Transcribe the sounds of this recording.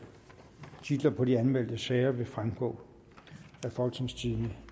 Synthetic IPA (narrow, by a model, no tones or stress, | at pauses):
t͡sʰid̥lɐpʰɒ̽diænmel̰d̥əsɛːɪɐʋe̝fʁamɡ̥ɔ̰̽ː | æfɒlɡ̥t͡sʰeŋst͡sʰiðˠnə